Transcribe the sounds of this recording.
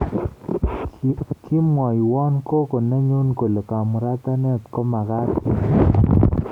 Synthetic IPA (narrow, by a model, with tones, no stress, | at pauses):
ki˦mwɔ˨jwɔ˦nko˦ko˨na˦ɲu˦nko˨lo˨ka˨mu˨ɾa˦t̪a˦nɛ˦˨t̪kɔ˦ma˨ɣa˦ti˨